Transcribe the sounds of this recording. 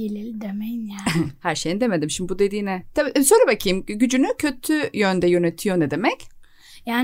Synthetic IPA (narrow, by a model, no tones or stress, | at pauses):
elʲilʲd̪emɛjnjahæɾʃejind̪emed̪imʃimd̪ibud̪e̞d̪iːnɛt̪ʰabiːsonɾabakʰɯjmɟyd͡ʒynycʰø̞t̪ʰyjønd̪ɛjø̞net̪ʰijo̞nɛd̪e̞mɛc | jaːn